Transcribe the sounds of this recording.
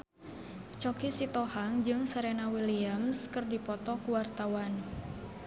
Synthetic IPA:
t͡ʃɔkisit̪ɔhaŋd͡ʒɨŋsaɾenawiliamskɨrdipɔt̪ɔkuwart̪awan

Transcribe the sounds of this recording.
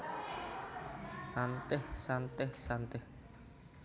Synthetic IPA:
sant̪ɪhsant̪ɪhsant̪ɪh

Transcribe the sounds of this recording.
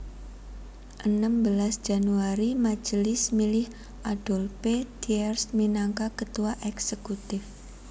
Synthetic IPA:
ʔənəmbəlasʒ̥a̤nuaɾimḁd͡ʒ̥əlɪsmilɪh | ʔad̥ɔ̤lped̪iɛrsminaŋkakət̪uaʔɛksəkut̪ɪf

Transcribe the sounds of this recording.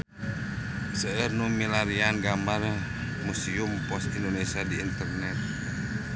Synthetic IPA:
səərnumilaɾianɡamar | musiumpɔst̪indonɛsiadiːnt̪ərnɛt̪̚

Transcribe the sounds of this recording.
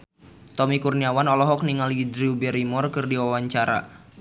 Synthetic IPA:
t̪ɔmikurniawanɔlɔɦɔk̚niŋalid̪ɾiubɛɾimɔrkɨrdiwawaɲt͡ʃaɾa̰

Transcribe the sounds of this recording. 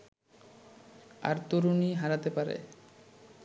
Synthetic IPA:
a̰ɾt̪uɾuniɦaɾat̪epaɾḛ

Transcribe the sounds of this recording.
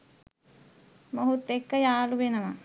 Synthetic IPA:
moɦut̪ːekːəjaːluʋenəʋa

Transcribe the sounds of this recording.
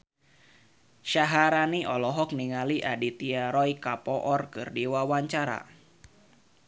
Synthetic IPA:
ʃaɦaɾaniɔlɔɦɔkniŋaliʔadit̪iaɾɔjkapɔʔɔrkɨrdiwawaɲt͡ʃaɾa̰

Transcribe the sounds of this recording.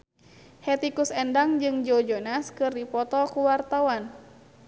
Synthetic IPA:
hɛt̪ikusɛndaŋd͡ʒɨŋd͡ʒod͡ʒɔnaskɨrdipɔt̪ɔkuwart̪awan

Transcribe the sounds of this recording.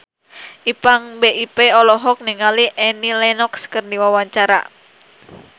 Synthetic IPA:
ʔipaŋbeʔipeɔlɔɦɔk̚niŋaliʔɛnilɛnɔkskərdiwawaɲt͡ʃaɾa̰

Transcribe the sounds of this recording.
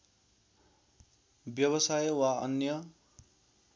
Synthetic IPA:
bjʌβʌsajwaʌ̰njʌ

